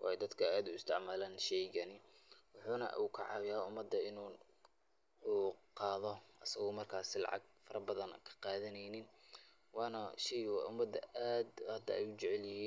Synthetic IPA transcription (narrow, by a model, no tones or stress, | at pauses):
wʔɑ̰ːjɛd̪ɐd̪kʰɐaːd̪ʊɪst̪ʰɪʕmaːlaːnʃɛjɣɐnɪwʊħuːnɐ̰ʔuːkʰɑ̰ʕɑ̰wjaːʊmːɐd̪ːɐɪnuː | uːqɑːðɔʔɐsɐɣɔmɐrkʰaːsɪlɑ̰ʕɑ̰ɡ̚fɐɾɐbɐðɐn̰kʰɐ̥qɑːðɐnɛjnɪn | wɑːnɐʃɛjɔʔʊmːɐd̪ːɐ̰ʔaːd̪hɐd̪ːɐɛjʊt͡ʃɛʕɛljɪɦiːn